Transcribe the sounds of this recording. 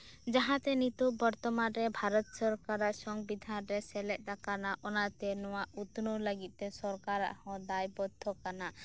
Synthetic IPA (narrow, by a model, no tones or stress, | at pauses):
d͡ʒaɦãt̪ɛnit̪ubɔɾt̪ɔmanɾɛbʱaɾɔt̪sɔɾkaɾaʔsɔŋɡbid̪ʱanɾɛsɛlɛʔ̪̚ˀd̪akanaʔɔnat̪ɛnɔwaut̪noləɡit̪̚ˀt̪ɛsɔɾkaɾa̰ʔhɔ̃d̪ajbɔd̪ʱʰɔkana